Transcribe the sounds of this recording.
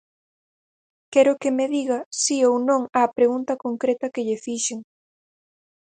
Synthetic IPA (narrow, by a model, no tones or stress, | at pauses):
kɛɾʊkemeðiɣɐsiownõŋaːpɾeɣunt̪ɐkoŋkɾet̪ɐkeʎɪfiʃeŋ